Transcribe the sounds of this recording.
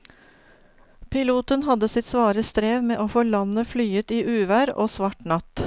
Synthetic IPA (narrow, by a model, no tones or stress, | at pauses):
pʰɪluːt̪ənhɑd̪əsɪt̪sʋɑːɾəst̪ɾeːʋmeːʔoːfoːlɑnəflyːət̪iːʔʉːʋæɾo̰ːsʋɑʈɳɑt̪